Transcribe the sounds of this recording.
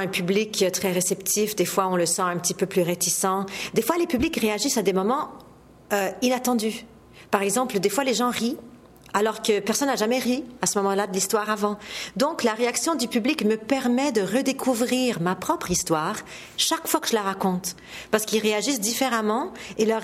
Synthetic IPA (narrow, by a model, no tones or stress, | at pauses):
ɛ̃pyblikøt̪χɛʁesɛpt̪ʰifd̪efwaɔ̃ləsɑ̃ɛ̃pət̪ipøplyʁet̪isɑ̃d̪efwalepyblikʁeaʒisad̪emɔmɑ̃ | øinat̪ɑ̃d̪y | paʁɛɡzɑ̃pləd̪efwaleʒɑ̃ʁi | alɔʁkəpɛʁsɔnːaʒamɛʁiasəmɔmɑ̃lad̪əlist̪waʁavɑ̃d̪ɔ̃klaʁeaksjɔ̃d̪ypyblikməpɛʁmɛd̪əʁəd̪ekʰuvʁiʁmapχɔpχist̪waːʁ | ʃakfwakə̥ʒəlaʁakɔ̃t̪ | paʁsə̥kilʁeaʒisd̪ifeʁamɑ̃elœʁ